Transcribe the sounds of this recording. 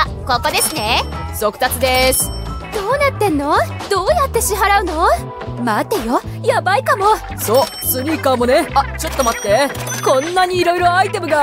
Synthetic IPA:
a | ko̞ko̞d̪e̞sɨne | so̞kɯ̟̥t̪at͡sɨd̪e̞sɨ̥d̪̥o̞ːnat̪ːẽ̞nːo̞ | d̪̥o̞ːjat̪ːe̞ɕiɦaɾaɯ̟no̞ | mat̪ːe̞jo | jabaikamo̞ | so̞ː | sɨɲʲikaːmo̞ne̞at͡ɕo̞t̪ːo̞mat̪ːe | kõ̞nːaɲ̟iːɾo̞iɾo̞ait̪e̞mɯ̟ɡa

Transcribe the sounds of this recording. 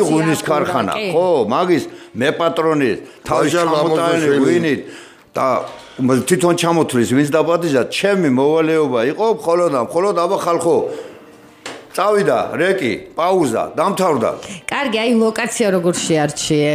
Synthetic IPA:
ʁwiniskʰaɾχana̰χɔmaɡismɛpʼat̪ʼɾɔnist̪ʰaist͡ʃamɔt̪ʼaɛliwinit̪̚ʰ | d̪̥a̰ | t̪ʰit̪ʰɔnt͡ʃʰamɔt̪ʰlisvint̪ʰd̪apʼad̪iʒd̪at͡ʃʰɛmimɔvalɛɔbaiqʼɔmχɔlɔd̪amχɔlɔd̪abaχalχɔ | t̪sʼavid̪a̰ɾɛkʼḭpʼauza̰d̪amt̪ʰavɾd̪a̰kʼaɾɡiajlɔkʼat̪sʰiaɾɔɡɔɾʃiaɾt͡ʃʰiɛ

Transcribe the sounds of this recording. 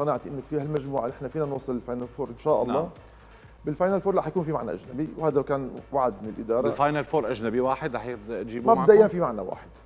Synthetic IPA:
sˤɑnaʕt̪ʔɪnːɪfialmaʒmuːʕanɪħnafiːnanwɑːsˤːɨlɪlfaːjnalfoːɾʔɪnʃaːʔɑ̰lˤːɑː | bɪlfajnalfoːɾˤɑːħjakuːnfimaʕna̰ʔaʒnabiwhaːd̪akaːnwaʕd̪̚mɪnɪlʔɪd̪ɑːɾˤɑfajnalfoːɾʔaʒnabiwaːħɪd̪ɾˤɑːħjt̪ʒiːbmabbd̪aʔɪjːanfimaʕna̰wa̰ːħɪd̪̥

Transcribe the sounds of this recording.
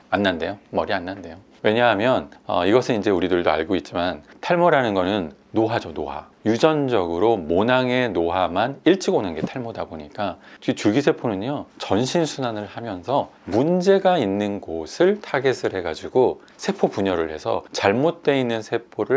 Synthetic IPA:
anːande̞jomʌɾianːande̞jo | we̞ɲaɦamjʌnʌ̰iɡʌsʰɯnind͡ʑe̞uɾidɯɭdoa̰ɭɡoit̚t͡ɕ͈imantʰaɭmoɾanɯnɡʌnɯnː | oɦad͡ʑonoɦa̰jud͡ʑʌnd͡ʑʌɡɯɾomonaŋe̞noɦamaniɭt͡ɕʰiɡonɯnɡe̞tʰaɭmodaboɲik͈at͡ɕɡit͡ɕuɡisʰe̞pʰonɯɲot͡ɕʌnɕʰinsʰunanɯɭhamjʌnsʰʌ | mund͡ʑe̞ɡainːɯnɡosʰɯɭtʰaɡe̞sʰɯɭhe̞ɡad͡ʑiɡo | sʰe̞pʰopuɲʌɾɯɭhe̞sʰʌ̰t͡ɕaɭmot̚t͈we̞inːɯnsʰe̞pʰoɾɯɭ

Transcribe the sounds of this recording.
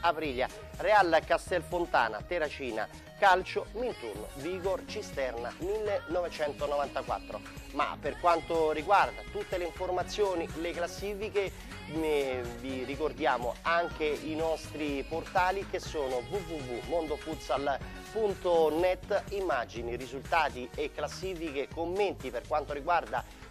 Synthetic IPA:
apɾiːlja̰ | realkast̪ɛlfont̪a̰ːna̰t̪eɾat͡ʃiːna̰ | kalt͡ʃomint̪urno̰viɡort͡ʃist̪ɛrnamilːenɔvet͡ʃɛnt̪onɔvant̪akwa̰t̪ːɾo̰ | ma̰perkwant̪oriɡward̪at̪ut̪ːeleiɱformat̪sːjoːnileklasːiːfike | mevirikord̪jaːmo̰aŋk̟einɔst̪ɾiport̪aːlikesːoːnovuvuvumond̪ofut̪sal | punt̪onɛt̪ːimːad͡ʒinirizult̪aːt̪iekːlasːiːfikekomːent̪iperkwant̪oɾiɡward̪a

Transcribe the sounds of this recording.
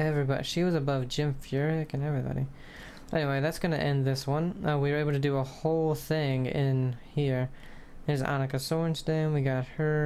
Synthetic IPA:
ɛvɹibɑɾḭʃiwʌzɨbʌvd͡ʒɪ̃ɱfjɜ˞ɪkɨ̃nɛvɹibɑ̰ɾḭ | ʔɛniweɪðætsɡ̥ʌnɨ̰ʔɛ̃nðɪswʌ̃nʌwiə˞eɪbl̩ˠtʰɨdɨəhoʊlˠθɪ̃ŋɪ̃nhiɹ | ðə˞zɑ̰nɨkɨsɔɹnsdẽɪ̃nwiɡɑt̚hə˞

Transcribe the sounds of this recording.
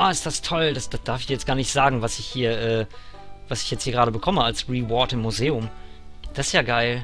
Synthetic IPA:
ʔaːɪstd̥astʰɔldasd̥asd̥aɐfɪçjɛt͡stɡ̥aːɐnɪçtz̥aːɡŋ̩vasɪçhiːɐʔɛːvasɪ̥çjɛt͡sthiːɐɡʁaːɾəbəkʰɔməalsʁivɔɐtɪmːuzeːʊmd̥asɪsjaːɡaɪl

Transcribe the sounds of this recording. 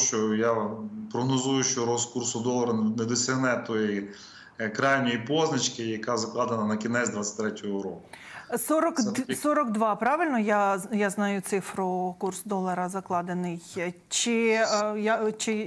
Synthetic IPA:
ʃt͡ʃɔjapɾɔɦnɔzujʊʃt͡ʃɔɾɔskursʊd̪ɔlˠɐɾɐned̪ɔsʲɐɦnɛt̪ɔji | kɾɑjnʲɔjipɔznɐt͡ʃkɪjɐkazɐklˠɑd̪enɐnɐkʲinɛzʲd̪ʋasʲɐ̥tʲt̪ɾɛtʲɔɦɔɾɔkʊ | sɔɾɔksɔɾɔɡd̪ʋɑpɾɑʋɪlʲnɔjajaznɑjʊt̪sɪfɾʊkursd̪ɔlˠɐɾɐzɐklˠɑd̪enɪj | t͡ʃɪjat͡ʃɪ

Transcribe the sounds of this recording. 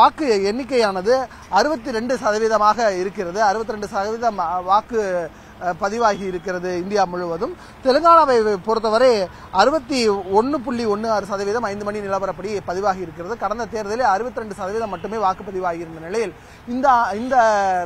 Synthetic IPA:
ʋaːkɯɛɳːɪk̬ːɐjaːnɐðɯ | ɐɾɯbɐt̪ːiɾɛɳɖɯsɐðɐʋiːðɐmaːɣɐɪɾɯkːɪrɐðɯɐɾɯbɐt̪ːɪɾɛɳɖɯsɐðɐʋiːðɐmʋaːkɯ | pɐðɪʋaːɣɐɪɾɯkːɪrɐðɯɪnd̪ɪjaːmʊɻɯʋɐðɯm | t̪ɛlɯŋɡaːɭɐʋɐɪpɔɾɯt̪ːɐʋɐɾe | ɐɾɯbɐt̪ːiɔɳːɯpʊɭːiɔnːɯaːɾɯsɐðɐʋiːðɐmɐɪnd̪ɯmɐɳinɪlɐpɐɾɐpːɐɽipɐðɪʋaːɣɐɪɾɯkːɪrɐðɯkɐɽɐnd̪ɐt̪eːɾɐðɪleɐɾɯbɐt̪ːɪɾɛɳɖɯsɐðɐʋiːðɐmːɐʈːɯmeːʋaːkɯpɐðɪʋaːɣɪɪɾɯnd̪ɐnɪlɐjɪl | ɪnd̪ɐɪnd̪ɐ

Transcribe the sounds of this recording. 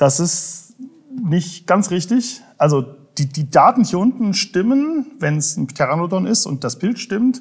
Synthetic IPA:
d̥asɪst | nɪçtɡ̥ansʁɪçtɪçʔalzod̥iːdiːdaːtn̩hiːɐʔʊntn̩ʃtɪmənvɛnsn̩tʰɛʁanodɔnɪstʊ̰nt̚d̥asb̥ɪltʃtɪmt

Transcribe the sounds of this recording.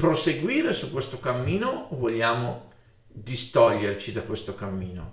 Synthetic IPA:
pɾoseɡwiːɾesukːwest̪okamːiːnovolʎjaːmo | d̪ist̪ɔʎːert͡ʃid̪akwest̪okamːiːno̰

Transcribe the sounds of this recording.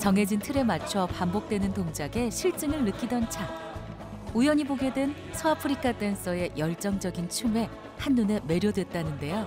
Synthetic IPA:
t͡ɕʌŋɦe̞d͡ʑintʰɯɾe̞mat͡ɕʰʌpambok̚t͈we̞nɯntoŋd͡ʑaɡe̞ɕʰiɭt͡ɕ͈ɯŋɯɭːɯk͈idʌnt͡ɕʰak̚ | ujʌɲiboɡe̞dwen | sʰʌapʰɯɾikʰat͈ens͈ʌe̞jʌɭt͡ɕ͈ʌŋd͡ʑʌɡint͡ɕʰume̞ | hanːune̞me̞ɾjodwe̞t̚t͈anɯnde̞jo

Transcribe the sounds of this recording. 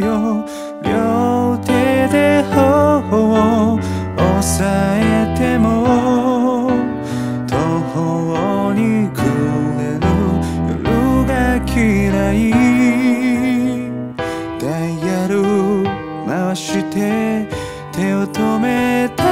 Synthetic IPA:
o | jot̪ed̪ehohoo | osaet̪emo | t̪ʰoho | oɲikʰɯɾenoɾɯɡakʲʰiɾai | d̪̥aijaɾɯ | maɕit̪e | t̪ʰeot̪omet̪a

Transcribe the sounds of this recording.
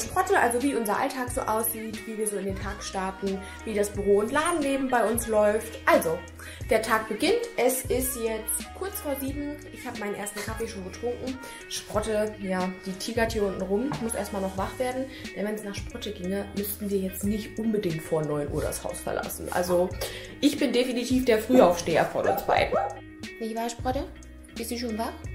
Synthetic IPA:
ʃpʁ̥ɔtəʔalzoviːʔʊnzɐʔa̰ltʰaːkz̥o̰ːʔaʊsz̥iːtv̥iːviːɐzoːɪndeːntʰaːkʃtaɐtn̩ | viːɾasb̥yʁoːʊntlaːdn̩leːbm̩baɪʊnslɔʏftʔalzo | d̥eːɐtʰaːk̚b̥əɡɪntʔɛsɪstjɛt͡stkʰʊɐt͡sfoːɐziːbm̩ʔɪçhaːbəmaɪnənʔeːɐstn̩kʰafeʃoːnɡətʁ̥ʊŋkŋ̩ | ʃpʁ̥ɔtəjaːd̥iːtʰiːɡaɐtʰiːʔʊntn̩ʁʊmmʊsʔḛːɐstmalnɔχv̥aχv̥eːɐdn̩d̥ɛnvɛnsnaːχʃpʁ̥ɔtəɡɪŋəmʏstn̩viːɐjɛt͡stnɪçtʔʊnbədɪŋtfoːɐnɔʏnʔuːɐɾa̰sha̰ʊsfɛɐlʔa̰sn̩ʔa̰lzo | ʔɪçb̥ɪndefinitʰiːfd̥eːɐfʁ̥yːaʊfʃteːɐ̰fɔ̰ɐdʊ̰nsb̥a̰ɪ | nɪçvaːʃpʁ̥ɔtə | b̥ɪstuʃ̬oːnvaχ

